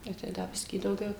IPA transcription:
ˈnʊ tɐɪ ˈdɐ ˈbʲɪsʲkʲiː dɐʊˈɡʲɛʊ

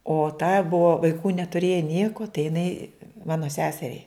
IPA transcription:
oː tɐ ˈbʊʋoː ʋɐɪˈkuː nʲɛtʊˈrʲeːjɛ ˈnʲiɛkoː tɐɪ jɪˈnɐɪ ˈmɑːnoː ˈsʲæːsʲɛrʲɛɪ

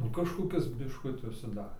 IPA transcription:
nʊ kɐʃkoːˈkʲɪs bʲɪʃˈkʊtʲɪ ʊʃʲsʲɪˈdɑːrʲeː

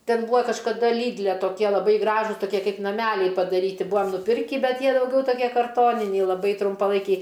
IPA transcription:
ˈtʲɛn ˈbuːɐ kɐʃkɐˈdɐ ˈlʲiːdʲlʲɛ toːˈkʲiɛ lˠɐˈbɐɪ ˈɡrɑːʒʊs toːˈkʲiɛ ˈkɐɪp nɐˈmʲælʲɛɪ pɐdɐrʲˈiːtʲɪ ˈbuːɐm nʊˈpʲɪrʲkʲiː ˈbʲɛt ˈjiɛ dɐʊˈɡʲɛʊ toːˈkʲiɛ kɐrˈtoːnʲɪnʲɛɪ lˠɐˈbɐɪ trʊmpɐˈlˠɐɪkʲɛɪ

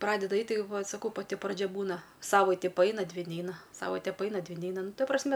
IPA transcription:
ˈprɑːdʲɛdɐ ˈɐɪtʲ ˈtɐɪ ʋɐ sɐˈkɐʊ pɐˈtʲɪ prɐˈd͡ʒʲɛ ˈbuːnɐ ˈsɑːʋɐɪtʲɪ pɐˈɐɪnɐ ˈdʲʋʲɪ ˈnʲɛɪnɐ ˈsɑːʋɐɪtʲɛ pɐˈɐɪnɐ ˈdʲʋʲɪ ˈnʲɛɪnɐ ˈnʊ ˈtɐ prɐsʲˈmʲɛ

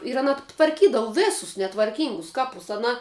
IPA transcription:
ɪr ɐˈnɐ tʋɐrʲˈkʲiːdɐʋʊ ˈʋʲɪsʊs nʲɛtʋɐrʲˈkʲiːŋɡʊs ˈkɑːpʊs ɐˈnɐ

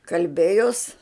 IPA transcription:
kɐlʲˈbʲeːjoːs

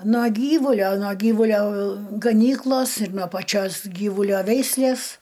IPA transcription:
nuɔ ˈɡʲiːʋʊlʲoː nuɔ ˈɡʲiːʋʊlʲoː ɡɐˈnʲiːklˠoːs ɪr nuɔ pɐˈt͡ʃʲoːs ˈɡʲiːʋʊlʲoː ˈʋʲɛɪsʲlʲeːs

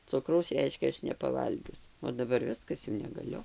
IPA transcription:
ˈt͡sʊkrɐʊs ˈrʲɛɪʃʲkʲɛ ˈɐʃ nʲɛpɐˈʋɐlʲɡʲʊs oː dɐˈbɐr ˈʋʲɪskɐs jɛʊ nʲɛɡɐˈlʲʊ

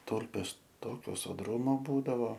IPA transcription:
ˈtuːlʲpʲeːs ˈtoːkʲoː soːˈdruːmoː ˈbuːdɐʋoː

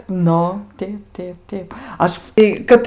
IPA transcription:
ˈnʊ ˈtʲɛɪp ˈtʲɛɪp ˈtʲɛɪp ˈɐʃ ɪ ˈkɐp

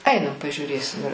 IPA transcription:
ˈɐɪnɐm pɐʒʲuːˈrʲeːsʲɪm ɪr

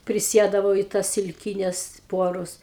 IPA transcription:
pʲrʲɪˈsʲiɛdɐʋɐʊ ɪ tɐs sʲɪlʲˈkʲiːnʲɛs ˈpuɔrʊs

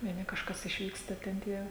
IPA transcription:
ʋʲiɛˈnʲɪ kɐʃˈkɐs ɪʃʲˈʋʲiːkstɐ tʲɛn ˈtʲiɛ

